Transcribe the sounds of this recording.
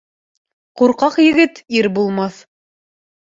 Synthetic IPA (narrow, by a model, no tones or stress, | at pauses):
quɾqɑqjɘ̆ɡɘt̪iɾbulˠmɑθ